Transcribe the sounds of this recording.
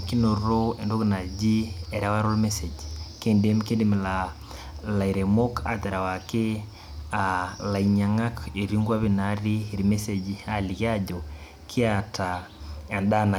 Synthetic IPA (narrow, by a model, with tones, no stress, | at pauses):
ki˦no˨ɾo˦e˨ndo˦ɣina˨d͡ʒi˦ɛ˨ɾa˦wa˦ɾo˦lmesed͡ʒke˦nde˦mke˦ndim˨la | la˨iɾemo˦ka̰˨tɛ˨ɾa˨wake˦ | ala˨iɲa˨ŋa˦ke˨ɾiŋɡwa˦βi˦naɾi˦˨ɾime˦sed͡ʒia˦li˨ki˦a˦ɟo˨ | kʰi˦atʰaa˨nda˦na˨